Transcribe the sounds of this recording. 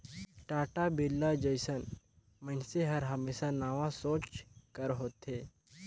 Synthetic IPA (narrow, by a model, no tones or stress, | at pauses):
ʈaːʈabeːlːad͡ʒəjsən | mənseɦəɾɦəmeːsanaːʋãsõːt͡ʃkəɾɦoːt̪ɦeː